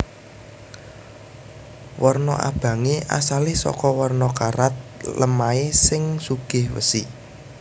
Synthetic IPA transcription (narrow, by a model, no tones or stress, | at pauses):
wɔrnɔʔa̰b̥ä̤ŋeʔa̰salɪhsɔ̰kɔwɔrnɔkaɾat̪̚ləmaesɪŋsuɡ̥ɪ̤hwə̰si